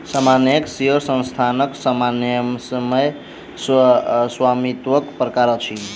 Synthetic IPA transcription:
samanjəksiɦəɾsə̃nst̪ʰanəksəmansəməj | sswamit̪wəkpɾəkaɾət͡ʃʰi

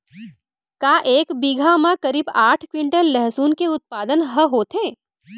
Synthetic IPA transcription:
kaːʔeːkbiɡʱamãkɐɾiːbaːʈʰkwɪ̃ɳʈənlɛɦsuːnkeʊt̪̚paːd̪ənɦəɦoːt̪ẽː

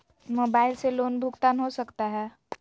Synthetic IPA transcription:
moːbaːɪlseloːnbʱʊɡt̪aːnɦosɐkt̪aɦɛː

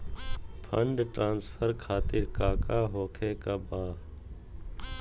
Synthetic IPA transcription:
pʰəɳɖʈɾãːnspʰəɾkʰaːt̪ɪɾkaːkaːɦoːkʰeːkaːbaː

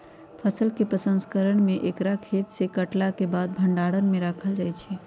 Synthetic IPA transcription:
pʰəsəlkepɾəsə̃nskəɾəɳ̃meʔekɾakʰet̪sekəʈlakebad̪̚bʱəɳɖaɽənmeɾakʰəld͡ʒajt͡ʃʰɛ

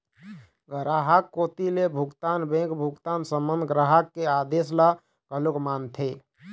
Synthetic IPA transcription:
ɡɾaːɦakːot̪ilebʱuɡt̪aːnbẽkbʱuɡt̪aːnsəmːənd̪ʱɡɾaɦəkːead̪esla | kəlokmaːnt̪ʰe

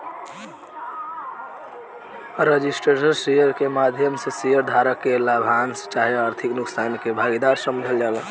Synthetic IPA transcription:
ɾed͡ʒisʈɾesəɾsejəɾkemad̪ʱjəmsə̃sijəɾd̪ʱaɾəkːelabʱanst͡ʃaɦiaɾt̪ʰiknuksankebʱaɡid̪aɾsəmd͡ʒʱəld͡ʒal

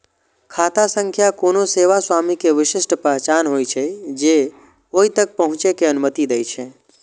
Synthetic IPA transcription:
kʰaːt̪asə̃ŋkʰjakonoseːʋaswamikeʋɪʃɪʃʈpɛɦt͡ʃanɦojt͡ʃʰed͡ʒe | oit̪ək̚pəɦʊ̃t͡ʃekeənʊmət̪id̪əjt͡ʃʰe

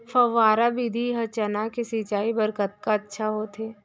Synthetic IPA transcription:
fɐʋaːɾabid̪ʱiɦɐt͡ʃənakesit͡ʃaːibɐɾkət̪̚kaɐtːʃʰaɦot̪ʰɦeː

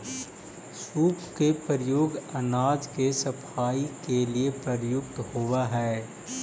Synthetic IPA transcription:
suːpkepəɾjoːɡɐnaːd͡ʒkesɐpʰaːikeliepɾɐɾjʊk̚t̪howaɦɛː

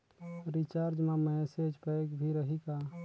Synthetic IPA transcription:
ɾit͡ʃaːɾd͡ʒmãmɛsed͡ʒpəeɡbʱiɾəɦika

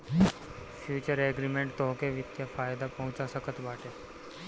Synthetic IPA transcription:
fʰjuːt͡ʃəɾeːɡɾimẽɳʈt̪ɔːkeʋɪt̪jafaːjd̪apɐɦʊ̃t͡ʃasəkʰət̪baːʈe

